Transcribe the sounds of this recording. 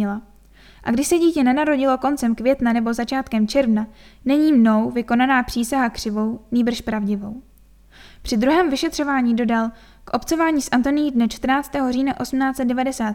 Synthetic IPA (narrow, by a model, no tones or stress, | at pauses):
ɪla | ʔa̰ɡdɪʃsɛɟiːcɛnɛnaɾo̞ɟɪlo̞ko̞nt͡sɛmkvjɛt̪nanɛbo̞zat͡ʃaːt̪kɛmt͡ʃɛɾvnanɛɲiːmno̞wvɪko̞nanaːpr̥iːsaɦakr̥ɪvo̞wniːbr̩ʃpɾavɟɪvo̞w | pr̥ɪd̪ɾuɦɛːmvɪʃɛt̪r̥o̞vaːɲiːdo̞dal | kʔo̞pt͡so̞vaːɲiːsʔant̪o̞nɪjidnɛt͡ʃt̪r̩naːt͡st̪ɛːɦo̞riːnaʔo̞sm̩naːt͡sɛt̪̚dɛvadɛsaːt̪